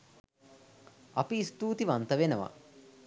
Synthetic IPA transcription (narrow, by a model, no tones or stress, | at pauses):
ɐpiːst̪uːt̪iʋɐnt̪ɐʋenɐʋɐ̰